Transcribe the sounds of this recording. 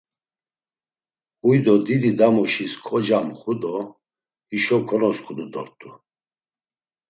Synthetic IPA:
ujd̪ɔd̪id̪id̪amɔʃiskʰɔd͡ʒamχud̪ɔ | iʃɔkʰɔnɔskʰʼud̪ud̪ɔɾt̪ʼu

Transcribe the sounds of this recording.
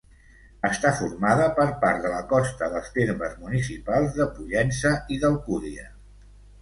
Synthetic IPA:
əst̪afuɾmaðəpəɾpaɾt̪d̪ðələkɔst̪əðəlˠst̪eɾməzmunisipalˠzðəpuʎɛnsəiðəlˠkuðiə

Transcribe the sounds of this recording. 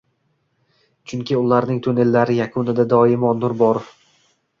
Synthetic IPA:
t͡ʃʰʊŋkʲʰɪʊlaɾnɪŋt̪ʰone̞lːaɾɪjakʰʊnɪd̪ad̪ɒɪmɒnːʊɾbɒɾof

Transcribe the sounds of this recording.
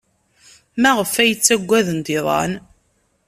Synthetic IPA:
mæʁəfæjət͡sːæɡʷːæðənt̪ɪðˤɑ̰n

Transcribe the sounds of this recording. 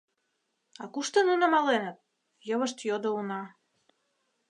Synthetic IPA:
ɑkuʃt̪ə̆nunəmɑlenət̪̚ | jəβəʃt̪jod̪ounɑ

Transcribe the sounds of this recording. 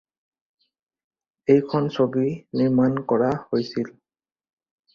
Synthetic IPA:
ejkʰɔnsobiniɹmankɔɹahojsil

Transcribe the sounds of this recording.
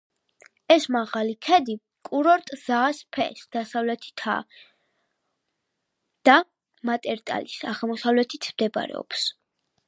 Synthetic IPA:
ɛsmaʁalikʰɛd̪i | kʼuɾɔɾt̪ʼz̥aːspʰɛ̰sd̪̥asavlɛt̪ʰi̥t̪ʰa̰ | d̪̥a | mat̪ʼɛɾt̪ʼa̰lisaʁlˠmɔsavlɛt̪ʰit̪ʰmd̪ɛba̰ɾɛ̰ɔ̰ps

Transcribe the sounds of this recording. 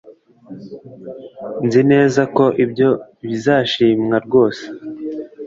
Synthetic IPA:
nzine̞ːzako̞ʔibjo̞βizaːʃiːmŋaɾɡo̞ːse̥

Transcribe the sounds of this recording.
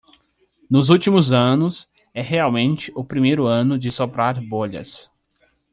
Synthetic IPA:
nʊzuwt͡ʃimʊzɐ̃nʊs | ɛɦeawmẽnt͡ʃɪʊpɾimejɾʊɐ̃nʊd͡ʒɪsopɾaɾboʎɐ̰s

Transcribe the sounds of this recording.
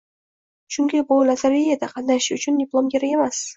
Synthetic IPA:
ʃʊŋɡʲɪbʊlazaɾijad̪aqʰɑnd̪aʃɪʊt͡ʃʰʊnd̪ʲɪplˠomɡʲeɾakʲemas

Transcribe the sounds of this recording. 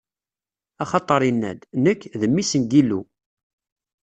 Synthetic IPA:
ɑχɑt̪ˤːəɾˤinːæ̰d̪nəkːðəmːisənd̪ilːṵ

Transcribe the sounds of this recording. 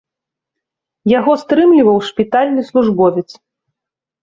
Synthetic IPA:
jaɣɔst̪ɾɨmlʲivɐwʂpʲit̪alʲnɨslˠuʐbɔvʲɛt̪s

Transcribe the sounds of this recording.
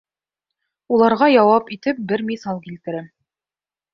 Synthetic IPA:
ulˠɑɾʁɑjɑwɑpit̪ɘp̚bɘɾmisɑlˠkilt̪ɘ̆ɾɘm

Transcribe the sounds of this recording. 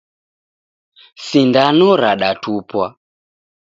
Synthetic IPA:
sindanɔɾaɗatʰupwa

